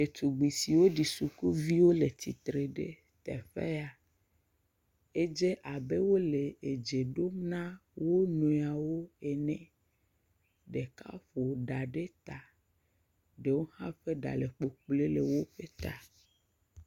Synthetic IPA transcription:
e˨t̪u˨ɡ͡bi˨si˨wo˦ɖi˨su˨ku˦vi˦wo˦le˨t̪i˨t̪ɾe˨ɖḛ˦ | t̪ɛ̰˨ɸḛ˦a˨ | e˦d͡ʒe˦ʔa˨be˦wo˦le˨e˨d͡ʒe˨ɖo˦mnã˦wo˦nũ˨a˨wo˦e˨nɛ̃˦ | ɖe˨ka̰˦ɸo˨ɖa˨ɖe˦t̪a˨ | ɖe˨wo˦hã˦ɸe˦ɖa̰˨le˨k͡po˨k͡ple˦le˨wo˦ɸe˦t̪a˨

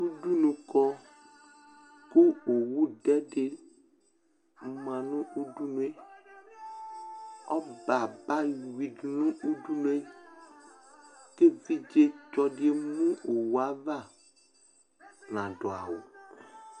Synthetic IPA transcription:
u˦ɖu˦nũ˨kɔ˦ | ku˦o˨wu˦ɖɛ˦ɖe˨˦ | mã˨nũ˦ʔu˦ɖu˦nũ˦e˦ | ɔ˦ba˨ba˦wi˨dnũ˦ʔu˦ɖu˦nũ˦e˦ | ke˦vi˦d͡ʒe˦t͡ʃɔ˦ɖi˦e˦mũ˦ʔo˨wu˦a˦va˦˨ | nã˨ɖɔ˨a̰˨wo˨

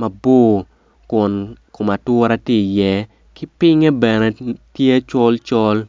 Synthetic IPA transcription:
mɐ˨bo˦ | kʊ˨nkʊ˨ma˨twʊ˦ɾa˦ti˦˨jɛ˦ | ki˦pɪ˦ŋe˦bɛ˨nɛ˨tje˦t͡ʃɔ˦lt͡ʃɔ˦l

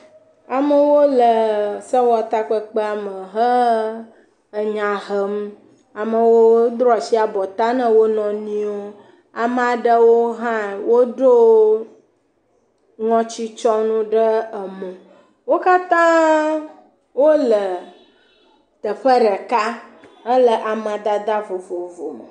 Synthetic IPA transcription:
a˨mə˨wo˦lə˨sə˦wɔ˨t̪a˦k͡pə˦k͡pə˦a˨mə˨ɦə˦ | ə˨ɲã˨ɦə˨m | a˨mə˨wo˦d̪ɾɔ˨si˦a˨bɔ˨t̪a˦nə̃˦wo˦nɔ̃˨nĩ˦o˦ | a˨m˨a˨ɖə˦wo˦ɦã˦˨wo˦ɖo˦ | ŋɔ̃˦t͡ɕi˦t͡ʃɔ˦nũ˦ɖə˦ə˨mũ˨ | wo˦ka˦t̪ã˦ | wo˦lə˨ | t̪ə˨ɸə˦ɖə˨ka˦ə˦lə˨ʔa˨mã˨d̪a˦d̪a˦vo˨vo˨vo˨mə̰˨

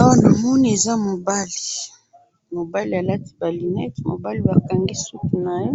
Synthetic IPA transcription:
wa˦na˨mɔ˦ni˦e˨za˦mo˨ba˦li̥˨ | mo˨ba˦li˨a˨la˦ti̥˦ba˨li˨nɛ˦tmo̰˨ba˦li˨ba˨ka˨ŋɡi˦su˦ku˨na˨jo˦

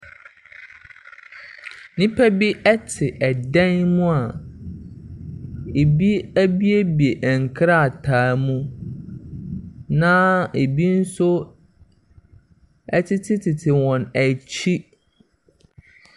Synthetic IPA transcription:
nĩ˦pʰæ˦bi˦ʔɛ˦tʰɪ˨ʔɛ˨dɛ̃˦nmũ˦a˨ | e˨bi˦æ˦bi˦e˦bi˨e˨ʔŋ̩˨kʰɾa˦a˨tʰaː˨˦mũ˦ | nãː˦e˨bi˦n̩˦sʊ˦ | ɛ˦tʰɪ˦tʰɪ˦tʰɪ˨tʰɪ˨wɔ̃˨næ˨t͡ɕʰi˦

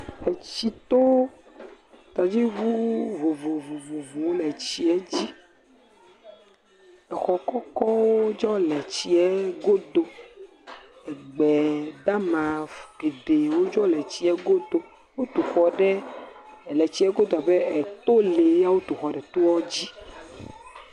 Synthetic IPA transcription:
e˨t͡ɕi˨t̪o˦ | t̪a˨d͡ʑi˦ɡu˦vo˨vo˨vo˨vo˨vo˨wo˦lɛ˨t͡ɕi˨ɛ˦d͡ʑi˦ | ɛ˨xɔ˨kɔ˦kɔ˦wo˦d͡ʒɔ˦lɛ˨t͡ɕi˦ɛ˦ɡo˦d̪o˨ | ɛ˨ɡ͡bɛ˨d̪a˦mã˨fɡe˨d̪e˨wo˦d͡ʒɔ˦lɛ˨t͡ɕi˦ɛ˦ɡo˦d̪o˦ | wo˦t̪u˨xɔ˨ɖɛ˦˨ | lɛ˨t͡ɕi˦ɛ˦ɡo˦d̪o˨a˨bɛ˦ɛ˨t̪o˦le˨ja˦wo˦t̪u˨xɔ˨ɖɛ˨t̪o˦wɔ˦d͡ʑi˦

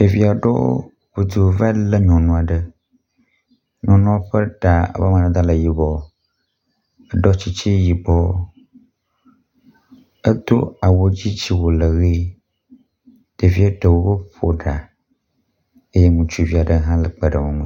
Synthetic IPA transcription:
ɖ̥e˨vi˨a˨ɖɔ̰˦ | ɸu˨d̪u˨va˦lə˦ɲɔ̃˨nũ˦a˨ɖə˦ | ɲɔ̃˨nũ˦a˦ɸə˦ɖa˨a̰˨ba˦mã˨nã˨d̪a˦lə˨ji˨bɔ˦ | ə˦ɖɔ˦t͡ɕi˦t͡ɕi˦ji˨bɔ˦ | ə˦d̪o˦a˨wo˦d͡ʑi˦d͡ʑi˦wo˨lə˨ɣi˦ | ɖ̥e˨vi˦e˦ɖə˨wo˦wo˦ɸo˨ɖa˨ | e˦je˦mũ˨t͡ʃu˦˨vi˨a˨ɖə˦ɦã˦lə˨k͡pə˨ɖə˨mõ˨ŋũ˦

